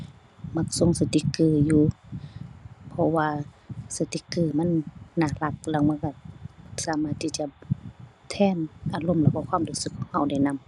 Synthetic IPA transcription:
ma˧˥k̚so˧˨ŋsa˧t̪i˧˦kɯː˧˩juː˧ | pʰɔ˧waː˧sa˧˩t̪i˧kːɯː˧˩m˧˥˨nːaː˧˩˨la˧˦k̚lɛː˧˨wma˧˥˨nka˧˩ma˧˩ksaː˧˦maː˧˩t̪ʰːiː˧˩t͡ɕa˧˨ | t̪ʰɛː˧˥˨nʔaː˧lo˧˨mlɛː˧˩wkɔ˧˨kʰwaː˧˥˨mduː˧˨sɯ˧kʰːɔ˧˨ŋha˧˨wda˧˩jna˧˥˨m

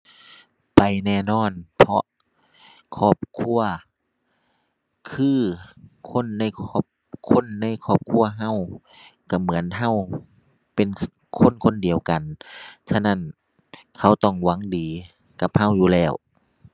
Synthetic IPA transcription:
pa˨jnɛː˧˩nɔː˧˥˨npʰɔ˧˥ʔ | kʰɔː˧˥˩p̚kʰu˧˥˨ɐ | kʰɯː˧˥˩kʰo˧˥˨nːa˧˥˨jkʰɔː˧˩p̚ | kʰo˧˥˨nːa˧˥˨jkʰɔː˧˩p̚kʰu˧˥˨ɐɦa˧˥˨w | ka˧˩mɯ˩˦ə˦nɦa˧˥˩w | pe˨n | kʰo˧˥˨nkʰo˧˥˨ndi˨˩əwka˨nsʰa˧na˧˥˨n | kʰa˧˩wt̪ɔ˧˩ŋwa˧˥˨ŋdiː˨˩ | ka˧˦p̚ha˧˥˨wjuː˧lɛː˧˩w

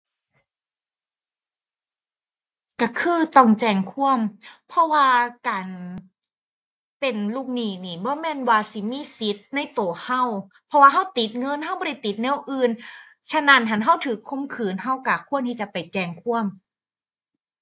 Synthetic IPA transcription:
ka˧˩kʰɯː˧˥˩t̪ɔ˧˩ŋt͡ɕɛː˧ŋkʰu˥˩əmpʰɔ˧˥waː˧kaː˨n | pe˨nluː˧˩k̚niː˧˩niː˧˨˩bɔː˧˦mɛː˧˥˨nwaː˧si˨˦miː˧˥˨si˦t̪̚na˧˩jt̪o˨˩ha˧˥˩wpʰɔ˧waː˧ɦa˧˥˩wt̪i˨˦t̪̚ŋɤ˧˥nha˥˩wbɔ˧ɾa˧˩t̪i˨˦t̪̚nɛː˦˥˩wʔɯː˧n | t͡ɕʰa˧na˧˩nɦa˧˦nɦa˧˥˩wt̪ʰɯː˨˦kʰo˧˥mkʰɯː˨˩nɦa˧˩wkaː˨˩kʰu˥˩ənt̪ʰiː˧t͡ɕa˨˩pa˨˩jt͡ɕɛː˧˩ŋkʰu˥˩əm

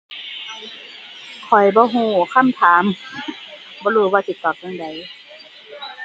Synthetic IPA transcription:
kʰɔ˨˩jbɔː˧˦ɦuː˧˩kʰa˧˥˨mt̪ʰaː˨˦m | bɔː˧˦luː˧˩˦waː˧t̪i˨˧˦t̪ːɔː˨˩p̚ja˧ŋda˨˩j

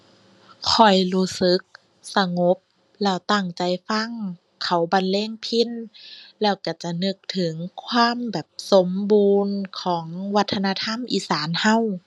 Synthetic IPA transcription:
kʰɔ˨˩jluː˧˩sɯ˨˦k̚ | sa˧ŋo˧˦p̚ | lɛː˧˩wt̪a˧˩ŋt͡ɕa˨˩jfa˧˥˨ŋ | kʰa˨˦wba˧˨nlɛː˧˥˩ŋpʰi˧˥˨nlɛː˧˩wka˧˩t͡ɕa˨˧˩nɯ˧k̚t̪ʰɯ˨˩˦ŋkʰwaː˧˥˨mbɛː˨˩p̚so˨˦mbuː˧nkʰɔː˩˦ŋwa˧t̪ʰːa˧naː˧t̪ʰa˧˥˨mʔiː˧˥saː˨˦nha˧˥˨w

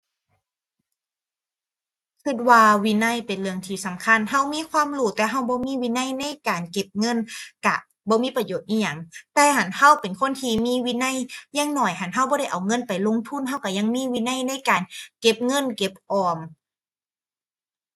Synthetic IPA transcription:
kʰɯ˧˩t̪̚waː˧wi˧˨na˧˩˨jpe˨nlɯ˧əŋt̪ʰiː˧˩sa˨˦mkʰa˧˥˨nɦa˧˩˨wmiː˧˥˨kʰwaː˧˥˨mluː˧˩t̪ɛː˧ɦa˧˥˩wbɔː˧˦miː˧˥˨wi˧˥na˧˥˨jna˧˥˨jkaː˨nke˧˦p̚ŋɤ˧˥˨nka˧˩ | bɔː˧˦miː˧˥˨pɾa˧joː˨˩t̪̚ʔiː˧˩jɲa˧˩ŋt̪ɛː˧ha˧˦nha˧˥˨wpe˨nkʰo˧˥˨nt̪ʰiː˧miː˧˥˨wiː˧˥na˧˥˨jjaː˧˥ŋnɔ˧˩jha˧˦nɦa˧˥˩wbɔː˧˦ɾa˧˥˩jʔa˨˩wŋɤ˧˥˨npa˨˩jlo˧˨ŋt̪ʰu˧˥˨nhɦa˧˥˩wka˧˩ja˧˨ŋmiː˧˥˨wiː˧˥˨na˧˥˩jna˧˥˨jkaː˨˩nke˧˥p̚ŋɤ˧˥˨nke˧˦p̚ʔɔː˧m

